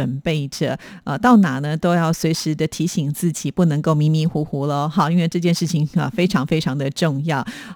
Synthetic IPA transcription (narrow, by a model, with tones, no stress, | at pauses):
ə˨˩npe˥˩ɪʈ͡ʂə̰˨˩˦ə˧t̪ɑ˥˩ʊna˨˩nə˦t̪o˥ʊjɑ˥˩ʊswe˧˥ɪʂɻ̩˧˥d̪ə˧t̪ʰi˧˥ɕi˨˩ŋt͡sɹ̩˥˩t͡ɕi˨˩pu˥˩nɤ˧˥ŋko˥˩ʊmi˧˥nmi˧˥xu˧˥xu˧˥lə˧xɑ˨˩˦i˥nwe˧ʈ͡ʂɤ˥˧t͡ɕjɛ˥˧nʂɻ̩˥˩t͡ɕʰi˨˩ŋə̰˧˩fe˥ɪʈ͡ʂʰɑ˧˥ŋfe˥ɪʈ͡ʂʰɑ˧˥ŋd̪ə˧ʈ͡ʂʊ˥˧ŋjɑ˥˩ʊ